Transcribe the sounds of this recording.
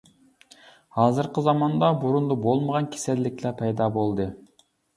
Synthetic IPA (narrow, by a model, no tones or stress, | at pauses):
hɑːzɨɾqəzɑmɑnd̪ɑbuɾund̪ubolˠməʁɑnkʲʰe̥sɛlːɪkʲlɛpʰɛjd̪ɑbolˠd̪ɨ